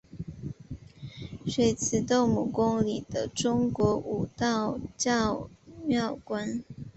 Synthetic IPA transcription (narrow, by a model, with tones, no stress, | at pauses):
ʂwe˧˥ɪt͡sʰɹ̩˨˩t̪o˥˩ŋmu˨˩kʊ˥ŋli˨˩d̪̥ə˦ʈ͡ʂʊ˥ŋkwɔ˧˥ʔu˨˩t̪ɑ˥˩ʊt͡ɕjɑ˥˩ʊmjɑ˥˩ʊkwa˥n